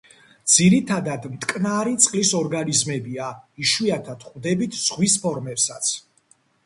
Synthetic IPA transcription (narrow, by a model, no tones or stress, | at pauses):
d̪z̥iɾit̪ʰad̪ad̪mt̪ʼkʼnaɾit̪sʼqʼlisɔɾɡanizmɛbiaiʃwiat̪ʰad̪̥χvd̪ɛbit̪ʰz̥ʁwispʰɔɾmɛpsat̪sʰ